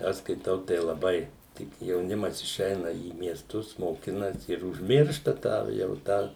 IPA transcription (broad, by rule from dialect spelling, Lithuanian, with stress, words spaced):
ˈɐʃ skɐɪˈtɐʊ tɐɪ lˠɐˈbɐɪ ˈtʲɪk jɛʊˈnʲɪmɐs ɪˈʃʲɛɪnɐ iː mʲiɛsˈtʊs moːˈkʲɪnɐsʲɪ ɪr ʊʒʲˈmʲɪrʃtɐ tɑː jɛʊ ˈtɑː